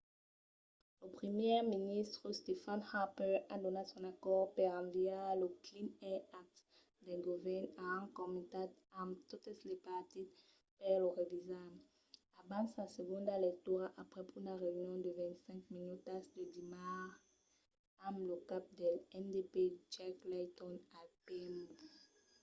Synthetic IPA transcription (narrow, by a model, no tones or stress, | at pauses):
ləpχəmjɛʁminist̪ʁəst̪efanhapɛad̪ɔnasɔ̃nakɔʁpɛʁãvialəklinɛak̚t̪ | d̪ɛɡuvɛnaɛ̃nkɔmit̪at | ãmt̪ot̪eslepaʁt̪it̪ | pɛʁloʁevizam | abãnsasəɡɔ̃nd̪alɛk̚t̪yʁaʔapʁɛpynaʁeynjɔ̃d̪əvɛ̃ntsɛ̃ŋkminyt̪ːasd̪əd̪imaʁ | amləkap̚d̪elɛndeped͡ʒaklajt̪ɔ̃nalpɛm